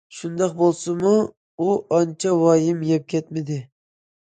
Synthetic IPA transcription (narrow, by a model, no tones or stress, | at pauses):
ʃund̪ɑq̚bolˠsɨmu | uɑnt͡ʃʰɛwɑjɪmjɛp̚kʲʰɛt̪mɪd̪ɪ